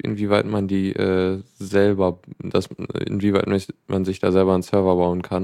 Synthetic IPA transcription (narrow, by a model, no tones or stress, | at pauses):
ʔɪ̰nviːvaɪtmandiːʔɛ̰ːzɛlbɐd̥asɪ̰nviːvaɪtmɪmanzɪçd̥a̰ːzɛlbɐansœɐvɐbaʊənkʰan